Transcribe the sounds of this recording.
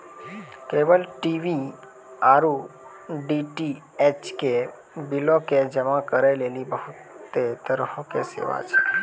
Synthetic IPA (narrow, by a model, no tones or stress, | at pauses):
keʋəlʈiʋi | aɾu | ɖiʈi | et͡ʃke | biloked͡ʒəmãkəɾelelibəɦʊt̪ːet̪əɾɦõkesḛʋa̰t͡ʃʰe